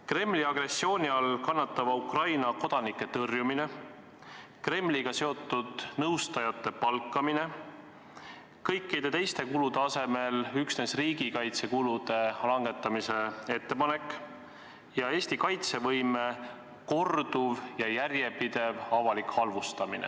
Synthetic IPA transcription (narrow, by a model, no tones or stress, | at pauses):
kre̞mːliɑɡ̥re̞sːio̞ːnʲiɑlkɑnːɑt̪ˑːɑvɑukrɑjnɑko̞d̪̥ɑnikːe̞t̪ɤrjumine̞ | kre̞mːliɡ̥ɑse̞o̞t̪ːˑud̪̥nɤwst̪ɑjɑt̪ːe̞pɑlkːˑɑmine̞ | kɤjkˑːid̪̥e̞t̪e̞jst̪e̞kulud̪̥e̞ɑse̞me̞lyksnesriːɡ̥ikɑjt̪se̞kulud̪e̞lɑŋɡe̞t̪ːˑɑmise̞e̞t̪ːe̞pɑnekːˑ | jɑe̞ːsʲt̪ikɑjt̪se̞vɤjme̞ | ko̞rd̪uvjɑjærje̞pid̪̥e̞vɑvɑlikhɑlvust̪ɑminḛ